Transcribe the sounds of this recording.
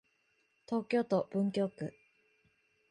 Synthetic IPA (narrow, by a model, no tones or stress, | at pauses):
t̪o̞ːkʲo̞ːt̪ob̥ɯ̟̃ŋk̬ʲo̞ːkɯ̟